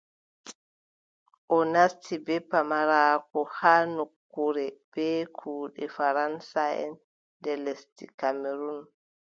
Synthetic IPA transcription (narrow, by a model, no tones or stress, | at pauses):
ʔɔnastʰibɛpːamaɾaːkɔhaːnokːuɾɛb̥ɛːkʰuːɗɛfaɾansaɛ̰n | dɛlestḭkameɾun